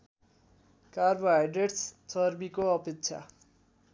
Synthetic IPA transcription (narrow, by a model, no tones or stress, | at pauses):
karbʌajɖeʈst͡sʌrbikoʌpekt͡ɕʰa̰